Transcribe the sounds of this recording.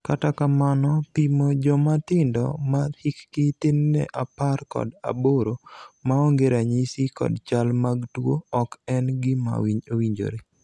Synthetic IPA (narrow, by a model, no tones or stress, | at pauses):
katakamanɔpimod͡ʒɔmat̪ɪndɔ̰mahikːɪt̪ɪnːɛ̰ʔaparkɔ̰da̰boɾomaɔŋɡeɾaɲisikɔ̰dt͡ʃalmaɡtwoɔkɛnɡɪma̰wiɲowiɲd͡ʒo̰ɾe